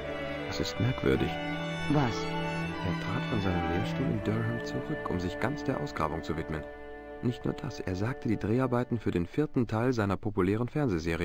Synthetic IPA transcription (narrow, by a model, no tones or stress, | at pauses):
asɪstmɛɐkv̥ʏ̰ɐdɪ̰ç | vasʔeːɐtʁ̥aːtfɔnzaɪnəmleːɐʃtuːlɪ̰ndœʁɦɛmt͡suʁʏkʰʊ̰mzɪçɡ̥ant͡sd̥eːɐʔaʊsɡ̥ʁa̰ːbʊŋt͡suvɪtmən | nɪçtnṵːɐd̥asʔḛːɐzaːk̚tʰədiːdʁeːaɐbaɪtn̩fyːɐdeːnfɪɐtn̩tʰaɪlzaɪnɐpʰopulɛːʁ̞ənfɛɐnzezeːʁ̞ijə